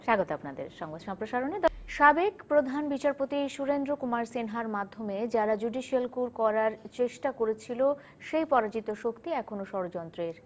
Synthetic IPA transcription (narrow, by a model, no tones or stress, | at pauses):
ʃaɡot̪oapnad̪ḛɾʃɔŋbad̪ʃɔmpɾoʃaɾoned̪ʃabekpɾod̪ʱanbit͡ɕaɾpot̪iʃuɾend̪ɾokumaɾsenɦaɾmad̪ʱːomed͡ʑaɾad͡ʑuɖiʃialkuɾkɔɾaɾt͡ɕeʃʈakoɾet͡ɕʰilo | ʃejpɔɾad͡ʑit̪oʃokt̪iɛkʰonoʃɔɾod͡ʑɔnt̪ɾeɾ